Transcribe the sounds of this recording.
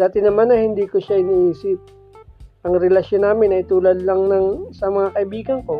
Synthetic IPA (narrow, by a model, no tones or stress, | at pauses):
d̪̥aːt̪ɪnɐmanːɐhɪnd̪iːkoʃaʔɪniːʔiːsɪp̚ | ʔɐŋɾɛlɐʃjonːaːmɪnɐjt̪uːlɐd̪̚lɐŋnɐŋsɐmɐŋakɐʔɪbiːɡɐŋko̞